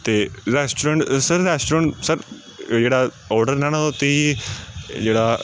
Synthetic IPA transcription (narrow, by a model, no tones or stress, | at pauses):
t̪eːɾɛːsʈːɾə̃ɳʈsəɾːɛːsʈɾə̃ɳʈsəɾ | d͡ʒeːɽaː | ɔːɾɖəɾnɛ̃ːnaot̪ei | d͡ʒeːɽaː